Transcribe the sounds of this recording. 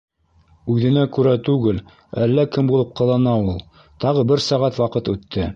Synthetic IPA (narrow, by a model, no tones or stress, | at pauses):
ʉðɘ̆nækʉɾæt̪ʉɡɘl | ælːækɘmbulˠɤp̚qɤ̆lˠɑnɑulˠ | t̪ɑʁɤbɘɾsɑʁæt̪wɑqɤt̪ʉt̪ʰːɘ